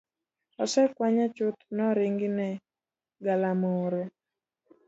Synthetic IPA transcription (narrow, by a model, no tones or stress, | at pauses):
ɔsɛkwaɲat͡ʃʊt̪nɔɾɪŋɡɪnɛ | ɡalamoɾe